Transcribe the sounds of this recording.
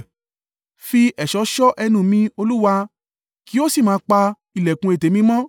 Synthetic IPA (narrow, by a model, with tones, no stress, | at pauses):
fi˧ʔɛ˨ʃɔ˨˦ʃɔ˦ʔɛ˧nũ˨mĩ˧o˧lu˦wa˧ | ki˨˦o˦si˦˨mãː˨˦k͡pa˧ | i˨lɛ˨kũ˧e˨te˨mĩ˧˦mɔ̃˦